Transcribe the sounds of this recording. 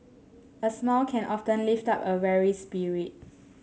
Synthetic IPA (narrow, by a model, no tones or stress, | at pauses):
əsmɔlkʰɛ̃nʔɔftə̃nliftapəvɛɹispiɹit̚